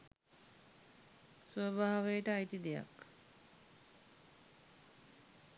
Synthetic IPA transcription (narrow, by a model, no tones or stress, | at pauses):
swəbʱaːʋejəʈəajt̪id̪eja̰k